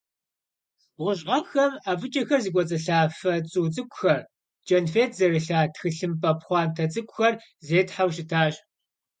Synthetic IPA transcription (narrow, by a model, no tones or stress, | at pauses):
ʁʷʊʑʁɐxɐmaːvɨt͡ʃʼɐxɐrziːkʷʼɔt͡sʼɐɬaːfɐt͡sʼuːt͡sʼɨkʷʼʊxɐr | t͡ʃʼɐnfeːtʰzɐrɨɬaːtxɨɬɨmpʼɐpχʷɑːntʰɐt͡sʼɨkʷʼʊxɐr | zeːtħawʃɪtʰaːɕʼ